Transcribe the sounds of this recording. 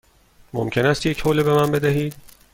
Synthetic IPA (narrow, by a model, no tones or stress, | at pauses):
mo̰mcʰe̞næst̪jecʰhoːlebe̞mænbe̞d̪æɦiːd̪̥